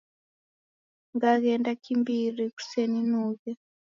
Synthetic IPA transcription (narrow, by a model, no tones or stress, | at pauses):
ŋɡaɣɛndakimbiriku̥seninuːkɛ